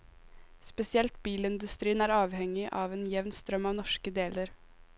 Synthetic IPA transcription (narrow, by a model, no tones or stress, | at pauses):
spɛsɪɛlt̪̚biːlɪnd̪ʉst̪ɾiːənæːɾɑːʋhɛŋːɪʔɑːʋeːnjɛʋnst̪ɾœmːɑːʋnɔʂkəd̪eːləɾ